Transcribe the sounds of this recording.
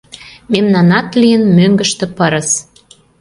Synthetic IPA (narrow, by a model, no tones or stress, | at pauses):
memnɑnɑt̪lijənmøŋɡə̆ʃt̪ĕpəɾə̆s